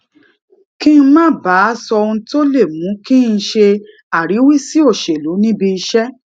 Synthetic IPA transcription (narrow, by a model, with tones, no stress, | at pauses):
kĩ˦˧˦mãː˦˨ba˨˦sɔ˧ũ˧to˦le˦˨mũ˨˦kĩ˦n̩˧ʃe˧ | a˦˨ɾi˨˦wi˦si˦o˦˨ʃe˨lo˨˦nĩ˦bi˧i˧ʃɛ˦